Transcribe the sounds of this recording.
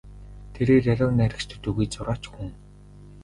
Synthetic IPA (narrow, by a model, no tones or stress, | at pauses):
t̪ʰeɾeːrjaɮʲʊːnæɾʲɪ̆kt͡ɕt̪ʰɵ̥̆t̪uɣujt͡sʊɾaːt͡ɕxuŋ